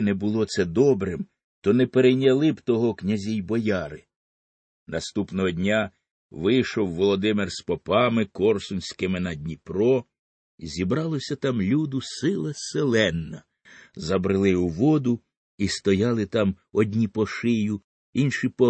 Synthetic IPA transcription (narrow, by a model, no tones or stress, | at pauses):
nɛbʊlˠɔt̪sɛd̪ɔbɾɪm | t̪ɔnɛpeɾejnʲɐlˠɪbt̪ɔɦɔknʲɐzʲijbɔjɑɾɪ | nɐst̪upnɔɦɔdʲnʲa | ʋɪjʃɔwːɔlˠɔd̪ɪmɪrspɔpɑmɪkɔrsʊnʲsʲkɪmɪnɐdʲnʲipɾɔ | zʲibɾɑlˠɔsʲɐt̪ɑmlʲud̪ʊsɪlˠɐselˠɛnːɐ | zɐbɾɪlˠɪuʋɔd̪ʊ | ist̪ɔjɑlˠɪt̪ɑm | ɔd̪ʲnʲipɔʃɪjʊ | inʃipɔ